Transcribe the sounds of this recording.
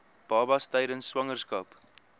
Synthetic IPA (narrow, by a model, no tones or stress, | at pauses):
b̥ɑːbɐstɛjɾənsːwɐŋərskɐːp